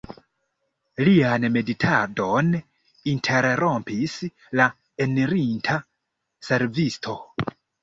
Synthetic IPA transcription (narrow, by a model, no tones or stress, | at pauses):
lianme̞ditʰado̞n | intʰe̞ɾɾo̞mpis | la | eniɾintʰa | se̞ɾvistʰo̞